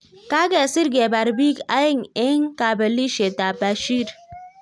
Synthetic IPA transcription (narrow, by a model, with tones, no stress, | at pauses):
ka˦ɡe˨si˦ɾɡe˨ba˨ɾbi˦ka̰˦ji˦ŋe˦ŋka˨bə˨li˦ʃe˨ta˨ba˨ʃi˦ɾ